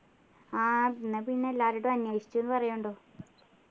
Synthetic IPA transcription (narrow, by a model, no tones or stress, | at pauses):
aːinːɐpiɳːelːaːɾiɽumɐɲːɐjʂi̥t͡ɕːonːɨpɐrɐjuɳɖoː